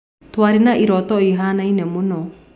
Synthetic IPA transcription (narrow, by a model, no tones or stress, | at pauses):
twaɾinaʔiɾɔt̪ɔiɦanainɛmonɔ